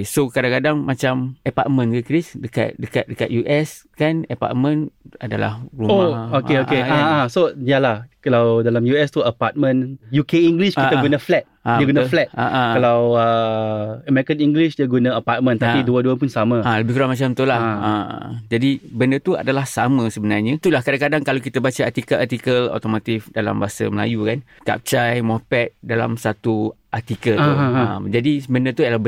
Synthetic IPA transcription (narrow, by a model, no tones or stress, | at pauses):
sokadaŋkadaŋmat͡ʃaməpa̰t̚mə̃nɡəkɾisdəka̰t̪̚dəka̰t̪̚dəka̰t̪̚juʔɛskanəpa̰t̚mə̃nadala̰hɾuoaokeokeaaasojalahkalawdalamjuɛst̪uəpat̪̚mə̃njukeiŋɡliʃkiaaɡunaflɛt̪̚ãjəɡunaflɛt̚ʔaʔãkalawə | əmɛɾikəniŋɡliʃdiaɡunãəpat̪̚mə̃nt̪apiduəduəpʊnsamãaləbɪhkuɾaŋmat͡ʃamt̪ulaha̰d͡ʒadibəndət̪ua̰dalahsamə̃səbənarɲãt̪ulahkadãŋkadaŋkalawkit̪abat͡ʃaat̪ikəʔat̪ikəlo̰t̪omõt̪ifdala̰mbaasa̰məla̰jukan | ka̰p̚t͡ʃajmɔpɛt̪̚dala̰msat̪uʔat̪ikəlt̪uə̰md͡ʒadibəndət̪uadala